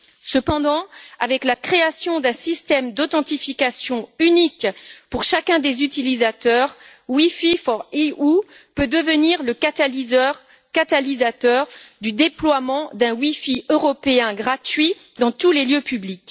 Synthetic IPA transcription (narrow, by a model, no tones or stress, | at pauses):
səpɑ̃d̪ɑ̃avɛklakχeasjɔ̃d̪ɛ̃sist̪ɛmd̪ɔt̪ɑ̃t̪ifikasjɔ̃ynikpuʁʃakʲɛ̃d̪ezyt̪ilizat̪œʁ | wififɔʁiu | pød̪əvəniʁləkat̪alizʁ | kat̪alizat̪œʁd̪yd̪eplwamɑ̃d̪ɛ̃wifiøʁɔpeɛ̃ɡʁat̪ɥi | d̪ɑ̃t̪uleljøpyblik